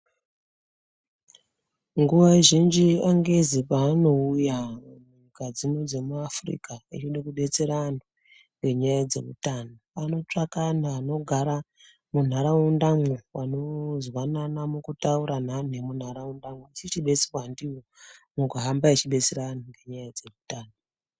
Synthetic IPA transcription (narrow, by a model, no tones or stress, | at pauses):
ŋɡuʋaeʒind͡ʒiaŋɡe̞zipaːno̞ujau | kad͡zinod͡ze̞muafrḭkait͡ʃoɗakuɓe̞t͡se̞ɾano | ŋɡe̞ɲajad͡ze̞̰mṵtaːnoano̞t͡ʂakanaːno̞ɡʱaɾa | mun̤aɾaundamwewano̞zwananamukutauɾan̤ane̞mun̤aɾaundamweisit͡ʃiɓe̞t͡si̥wandiwomuɡʱaɦambaet͡ʃiɓe̞t͡seɾanaŋɡe̞ɲajad͡ze̞mutaːno